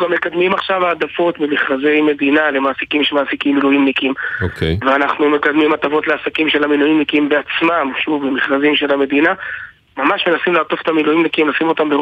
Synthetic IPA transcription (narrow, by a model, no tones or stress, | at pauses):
ɡamːekad̪mimaχʃavaːd̪afo̞t̪bimiχʁaze̞jme̞d̪inale̞maːsikimʃemaːsikimːilujimnikimokveanaχnume̞kad̪mimat̪afo̞tleasakimʃe̞lamilujimnikimbeat͡smamʃuvbimiχʁazimʃe̞lame̞d̪ina | mamaʃme̞nasimlat̪o̞fet̪amilujimnikimlasimo̞t̪ambeʁ